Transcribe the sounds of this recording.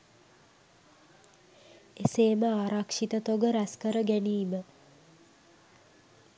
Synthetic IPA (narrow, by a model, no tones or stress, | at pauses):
eseːməaːɾakʂit̪ət̪oɡəɾæskəɾəɡæniːmə